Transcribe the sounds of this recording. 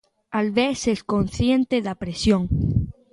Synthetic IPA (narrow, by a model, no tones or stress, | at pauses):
alβesesko̞nθjent̪eðapɾesjõŋ